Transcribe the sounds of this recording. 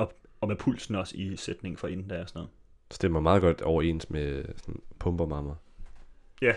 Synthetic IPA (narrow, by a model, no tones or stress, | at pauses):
ɒ̽ | ɒ̽mepʰul̰sn̩ɒ̽sised̥ne̝ŋ̩fɒ̽e̝nn̩d̥æɒsnɔ̽ːð̩ˠ | sɒd̥emɐmɑ̈ːðˠɡɒ̽d̥ɒʊɐe̝̰ːnsmesɒnpʰɔ̽mb̥ɐmɑ̈mɐ | jæ